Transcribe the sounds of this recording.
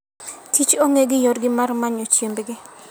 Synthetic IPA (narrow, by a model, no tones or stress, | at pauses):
tit͡ʃoŋeɡɪjɔɾɡɪmarmaɲot͡ʃjembɡɪ